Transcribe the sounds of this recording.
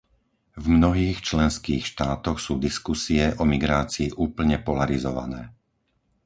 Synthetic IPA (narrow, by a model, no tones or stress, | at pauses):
vmnɔɦiːxt͡ʃlɛnskiːxʃt̪aːt̪ɔxsuːd̪iskusiɛʔɔmiɡɾaːt͡siːʔuːpl̩ɲɛpɔlaɾizɔʋa̰nɛː